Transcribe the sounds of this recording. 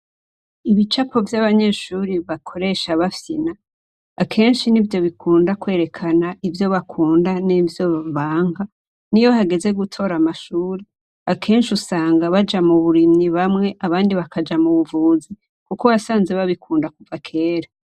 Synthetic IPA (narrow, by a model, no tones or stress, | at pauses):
iβit͡ʃapʰo̞vjaβaɲe̞ːʃuːɾiβakʰo̞ɾe̞ʃaβafjinaː | kʰe̞ːnʃinivjo̞βikʰuːndakwe̞ːɾe̞kʰanaʔivjo̞βakʰuːndanivjo̞ββaːŋɡa | nijo̞haɡe̞ze̞ɡutʰo̞ɾamaʃuːɾe | akʰe̞ːnʃiusaːŋɡaβad͡ʒamuβuɾimɲiβamŋe̞ʔaβaːndiβakʰad͡ʒamuβuvuːzi | kuko̞βasaːnze̞βaβikʰuːndakuvakʰe̞ːɾa